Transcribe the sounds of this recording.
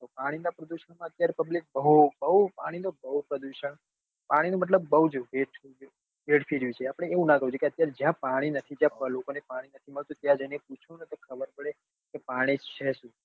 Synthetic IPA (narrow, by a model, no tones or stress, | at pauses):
t̪opaɽ̃inapɾəd̪uʃəɳmãət̪jaɾepəblik̚bəɦubəɦupa̰ɽ̃inobəɦupɾəd̪uʃəɳ | paɽ̃inũmət̪̬ləbːəɦud͡ʒɦeʈʰ | ɦeɽfʰiɽjũt͡ʃʰeapɽ̃eeũnãkəũt͡ʃʰukeət̪jaɾed͡ʒjãpaɽ̃inət̪ʰid͡ʒjãpəlokonepaɽ̃inət̪ʰiməɭt̪ũt̪jãd͡ʒəjneput͡ʃʰonət̪okʰəbəɾpəɭe | kepaɽ̃it͡ʃʰɛʃũ